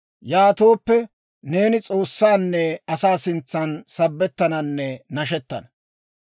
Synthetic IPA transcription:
jaːt̪o̞ːpːɛ | ne̞ːnɪt͡sʼo̞ːsːaːnːɛɐsaːsɪnt͡sːɐnsɐbːɛt̪ːɐnɐnːɛnɐʃ̬ɛt̪ːɐ̰nɐ

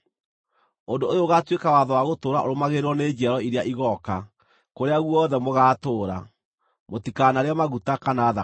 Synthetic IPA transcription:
ondoojoːɣatwekawaðɔwaɣotoːɾaoɾomaɣeɾwɔned͡ʒiaɾɔiɾeaʔiɣɔka | koɾeaɣwɔðɛmoɣaːtoːɾa̰ | motikanaɾeamaɣutakanaða

